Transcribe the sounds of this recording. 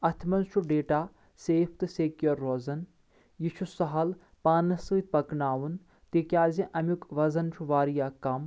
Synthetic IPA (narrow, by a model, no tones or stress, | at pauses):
ɐt̪ʰmɐnt͡ʃʰuɖeːʈaː | seːfʰt̪ɨseːkjɐɾːozɐn | jit͡ʃʰusɐɦɐl | paːnɐsɨːt̪̚ʲpɐknaːʋun | t̪eːkʲjaːzĩʔɐmjukʋɐzɐnt͡ʃʰuʋaːɾijaːkɐm